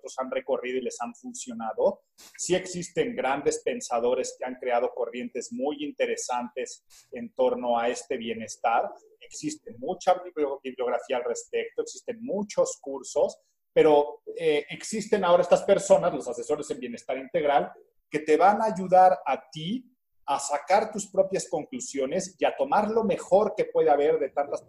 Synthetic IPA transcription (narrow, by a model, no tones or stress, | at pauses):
t̪ɾo̞sanre̞ko̞rið̞o̞ile̞saɱfunsjo̞naðo̞ | sie̞ksist̪e̞ŋɡɾand̪e̞spe̞nsað̞o̞ɾeske̞aŋkɾe̞að̞o̞ko̞rje̞nt̪e̞zmujint̪e̞ɾe̞sant̪e̞s | e̞nt̪o̞ɾno̞ae̞st̪e̞βje̞ne̞st̪aɾ | e̞ksist̪emut͡ʃabiβljo̞ɣ̞ɾafiaːlre̞spe̞k̚t̪oe̞ksist̪e̞nmut͡ʃo̞skuɾso̞s | pe̞ɾo̞eʔeksist̪e̞nao̞ɾae̞st̪aspe̞ɾso̞nazlo̞sase̞so̞ɾe̞se̞mbje̞ne̞st̪aɾint̪e̞ɣɾal | ke̞t̪e̞βanaʝuðaɾat̪i | asakaɾt̪uspɾo̞pjasko̞ŋklusjo̞ne̞siat̪o̞maɾlo̞me̞xo̞ɾke̞pwe̞ðeaβe̞ɾðe̞t̪ant̪as